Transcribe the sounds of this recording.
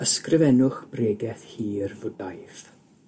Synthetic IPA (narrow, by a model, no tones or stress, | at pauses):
əskrɪvɛnʊχb̥reːɡɛθhiːrvʊdajθ